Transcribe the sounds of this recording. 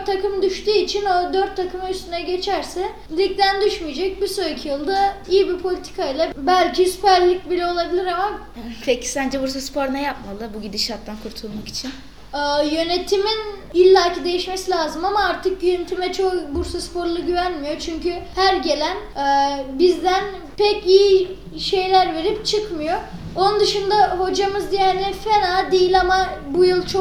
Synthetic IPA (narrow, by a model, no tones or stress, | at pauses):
t̪ʰːakɯmd̪yʃt̪yːit͡ʃʰino̞d̪øɾt̪ʰːakʰɯmayst̪ynɛɟe̞t͡ʃʰæɾsɛ | lʲic̚d̪ænd̪yʃmyjd͡ʒɛc̚biɾsoɾicʰijɯlˠd̪aijibipʰo̞lʲit̪ʰi̥kʰaijlˠabælʲcʰispælʲːicbilʲɛo̞lˠabilʲiɾama | pʰecʰːi̥sænd͡ʒɛbuɾs̬aspʰoɾnɛjap̚malˠɯbuɟid̪iʃaɾt̪ːankʰuɾt̪ʰulˠmaki̥t͡ʃʰin | ɛːjø̞ne̞t̪ʰiminilʲːaːcʰid̪e̞jiʃmesilʲaːzɯmamaaɾt̪ʰɯk̚ɟyjynt̪ʰymɛt͡ʃʰo̞kbuɾsaspo̞ɾlˠuɟyvænmijo̞t͡ʃʰyɲcyhæɾɟe̞lʲænɛːbizd̪æn | pɛciji | ʃe̞jlʲæɾve̞ɾipt͡ʃʰɯkmɯjo̞ | onund̪ɯʃɯnd̪aɦo̞d͡ʒamɯzd̪ijɛnɛfenaːd̪ejilʲamabujɯlˠt͡ʃʰo